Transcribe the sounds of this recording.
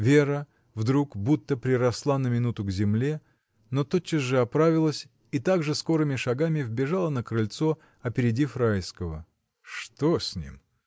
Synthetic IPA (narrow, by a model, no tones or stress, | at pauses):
vʲe̞ɾə | vd̪ɾukbut̪ːəpɾʲɪɾɐslˠanəmʲɪnut̪ʊɡzʲɪmlʲe̞ | not̪ot͡ɕːɪzʐɨɐpɾavʲɪlˠəsʲ | it̪aɡʐɨsko̞ɾɨmʲɪʂɐɡamʲɪvbʲɪʐalˠənəkɾɨlʲt̪so̞ | ɐpʲɪɾʲɪdʲifɾajskəvə̰ | ʂt̪osʲnʲḭm